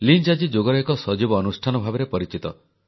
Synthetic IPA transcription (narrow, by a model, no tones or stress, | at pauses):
lind͡ʒad͡ʒid͡ʒoɡɔɾɔɦekɔsɔd͡ʒibɔːnusʈʰanɔbʱabeɾepɔɾit͡ʃit̪ɔ